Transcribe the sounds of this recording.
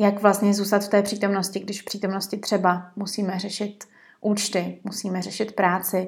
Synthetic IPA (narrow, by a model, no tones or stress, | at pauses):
jakvlast̪ɲɛzuːst̪at̪ft̪ɛːpr̥iːt̪omno̞scɪɡdɪʃfpr̥iːt̪omnoscɪt̪r̥ɛbamusiːmɛrɛʃɪt̪ | ʔuːt͡ʃt̪ɪmusiːmɛrɛʃɪt̪pɾaːt͡sɪ